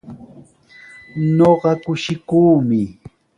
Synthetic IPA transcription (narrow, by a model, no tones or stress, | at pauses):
ɲoɢɑkʊʃɪkuːmɪ